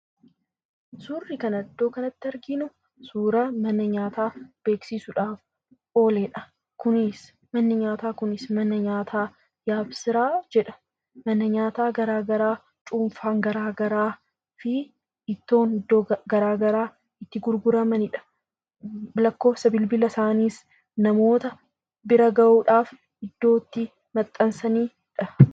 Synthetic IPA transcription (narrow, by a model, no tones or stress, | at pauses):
suːrːɪkɐnɐd̪ːo̞ːkɐnɐt̪ːɪɐɾɡɪnʊ | suːɾɐmɐnːɐɲaːt̪aːb̥e̞ːksisʊᶑaːf | o̞ːleːᶑɐ̥ | kʊnɪs | mɐnːɪɲaːt̪aːkʊnɪsmɐnːɐɲaːt̪ʰaː | jaːbsɪɾaːd͡ʒɛᶑɐ̥ | mɐnːɐɲaːt̪aːɡɐɾaːɡɐɾaː | t͡ʃʼuːɱfaːŋɡɐɾaːɡɐɾaː | fɪ | ʔɪt̪ːo̞ːnɪd̪ːoːɡɐɾaːɡɐɾaː | ɪt̪ːɪɡʊɾɡʊɾɐmɐnɪᶑɐ̥ | lɐkːo̞ːsɐbɪlbɪlɐsaːniːs | nɐmo̞ːt̪ɐ | bɪɾɐɡɐʔuːᶑaːf | ɪd̪̥ːo̞ːt̪ːɪ | mɐt̪ʼːɐnsɐniː | ᶑɐ